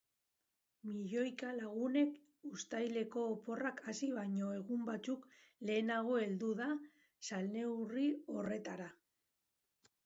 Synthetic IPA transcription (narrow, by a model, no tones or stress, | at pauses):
miʎo̞jkalaɣ̞une̞k | ust̪ajle̞ko̞ːpo̞rakasiβaɲo̞e̞ɣumbat͡sukle̞ːnaɣ̞o̞e̞ld̪uða | salne̞wrio̞re̞t̪aɾa